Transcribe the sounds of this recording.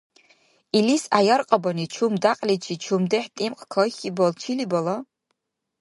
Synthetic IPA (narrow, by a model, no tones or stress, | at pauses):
ilisajɐrqʼɐbɐnit͡ʃʰumdaqʼlit͡ʃʰit͡ʃʰumdɨħtʼimqʼkʰɐxʲibɐlt͡ʃʰilibɐlɐ